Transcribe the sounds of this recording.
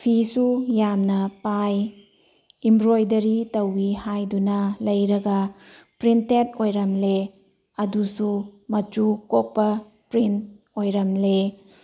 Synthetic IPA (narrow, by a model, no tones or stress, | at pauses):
pʰisujamnɐpaj | imbɾojdɐɾitɐwihajdunɐlɐjɾɐɡɐpɾintetojɾɐmle | ɐdusumɐt͡ʃukok̚pɐ | pɾint | ojɾɐmle